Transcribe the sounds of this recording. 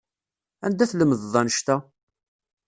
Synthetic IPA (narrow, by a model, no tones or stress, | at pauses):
æ̰nd̪æθləmːəððˤːɑnʃt̪æ